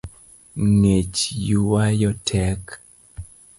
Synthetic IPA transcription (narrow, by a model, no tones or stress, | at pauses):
ŋet͡ʃjuwajɔtʰɛk